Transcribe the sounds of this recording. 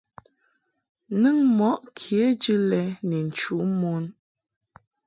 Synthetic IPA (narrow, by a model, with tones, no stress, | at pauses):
nɨ˦ŋmɔ˨˦ʔkʰi˨e˦d͡ʒɨ˦lɛ˦nɛ˨n̩˨t͡ʃu˨˦mo˦n